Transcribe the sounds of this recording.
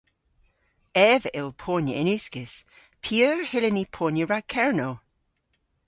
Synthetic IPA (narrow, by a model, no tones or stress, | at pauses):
ɛːvəʔɪlˠpʰoːnjəʔɪnʉskɪs | pʰəːɹhɪlɪnipʰoːnjəɹakʰɛɹnoː